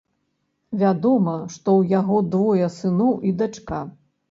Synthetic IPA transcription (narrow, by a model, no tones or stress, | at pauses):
vʲad̪ɔmɐʂt̪ɔwjaɣɔd̪vɔjɐsɨnɔwʔid̪at͡ʂka